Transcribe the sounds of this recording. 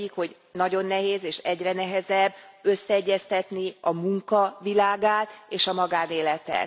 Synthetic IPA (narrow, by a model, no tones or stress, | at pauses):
ikho̞ɟ | nɒɟo̞nːɛɦeːzeːʃɛɟrɛnɛɦɛzɛbːø̞sːɛɛɟːɛst̪ɛt̪niɒmuŋkɒvilaːɡaːt̪eːʃɒmɒɡaːneːlɛt̪ɛ̰t̪